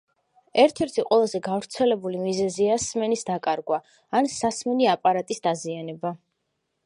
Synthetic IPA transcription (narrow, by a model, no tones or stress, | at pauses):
ɛɾt̪ʰɛɾt̪ʰiqʼwɛlˠazɛɡavɾt̪sʰɛlɛbulimizɛziasmɛnisd̪akʼaɾɡwaː | nsasmɛniapʼaɾat̪ʼisd̪̥azianɛba